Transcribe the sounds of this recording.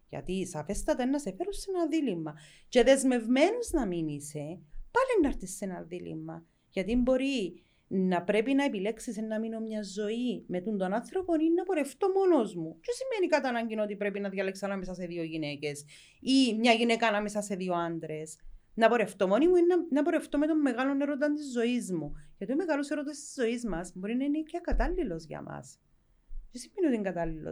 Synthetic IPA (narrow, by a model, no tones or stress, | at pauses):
ʝɐ̰t̪isɐfe̞st̪ɐt̪ɐenːɐsefeɾusːenɐðilimːɐ | ce̞ðe̞zme̞vme̞nuznɐminise̞pɐlenːɐɾt̪isːenɐðilḭmːɐ | ʝɐt̪imbo̞ɾi | nːɐpɾepinɐepile̞ksisenːɐmino̞mɲɐzːo̞imet̪und̪o̞nanθɾo̞poninːɐpoɾeft̪o̞monozmucesimenikɐt̪ɐnɐɲɟinot̪ipɾepinɐðjɐle̞ksɐnɐmes̬ɐse̞ðio̞ʝine̞ce̞s | imɲɐʝinekɐːnɐmesɐse̞ðio̞and̪ɾe̞s | nɐpo̞ɾe̞ft̪o̞monimuinnɐpoɾe̞ft̪o̞met̪omːe̞ɣɐlo̞ne̞ɾot̪ɐnt̪izːo̞izmuʝɐt̪umeɣɐloseɾot̪est̪i̥zːo̞izmɐsbo̞ɾinɐinicːɐkɐt̪ɐlːilo̞zʝɐ̰mʔɐ̰s | cesimːeniot̪iŋɡɐt̪ɐlːilo̰